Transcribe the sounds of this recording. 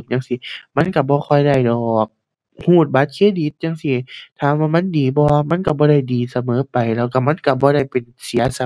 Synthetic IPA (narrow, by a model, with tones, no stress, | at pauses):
m̚ɲaː˧˨ŋsi˧˦ma˧˥˨nka˧˩bɔː˧˦kʰɔ˧˩jda˧˩jdɔː˨˩˧k̚ | huː˧˩t̪̚baː˧˦t̪̚kʰeː˧˥˨di˧˦t̪̚ɲaː˧˨ŋsi˧˩t̪ʰaː˧˩waː˧˨ma˧˥˨ndiː˨bɔː˧a˧ma˧˥˨nka˧˩bɔː˧˦a˧˥˩jdiː˨sa˧mɤː˨˦pa˨jlɛː˧˨wka˧˩ma˧˥˨nka˧˩bɔː˧˦ɾa˧˥˩jpe˨˩nsi˨˦ɐsa˧